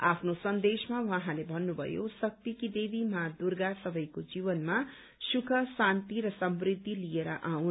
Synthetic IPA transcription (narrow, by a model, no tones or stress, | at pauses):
a̰pʰnosʌnd̪esmawaɦãlebʱʌnːubʱʌ̰jo̰sʌk̚t̪ikid̪ebimad̪urɡasʌbʱʌjkod͡zibʌnma | sukʰʌsant̪iɾʌsʌmbrid̪ʱːilieɾʌ̰ʔawn